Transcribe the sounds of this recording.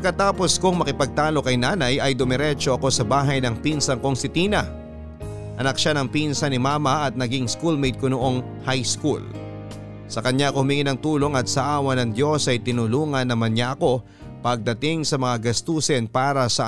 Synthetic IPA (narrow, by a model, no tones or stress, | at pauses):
pɐɡkːɐt̪aːpo̞skʊŋmɐkɪpɐɡ̚t̪aːlo̞kɐjnaːnɐjɐjd̪ʊmɛɾɛt͡ʃo̞ʔɐko̞sɐbaːɦɐjnɐŋpinsɐŋko̞ŋsɪt̪iːnɐ | ʔɐnɐk̚ʃanɐŋpinsɐnɪmaːmɐʔɐt̪̚nɐɡiŋskulmejd̪̚konoʔo̞ŋ | hajskṵl | sɐkɐɲaʔɐkohʊmɪŋɪnɐŋt̪uːlo̞ŋɐt̪̚sɐʔaːwɐnɐŋd̪jo̞sʔɐjt̪ɪnʊluːŋɐnːɐmɐnɲaʔɐko̞ | pɐɡ̚d̪ɐt̪ɪŋsɐmɐŋaɡɐst̪uːsɛnpaːɾɐsɐ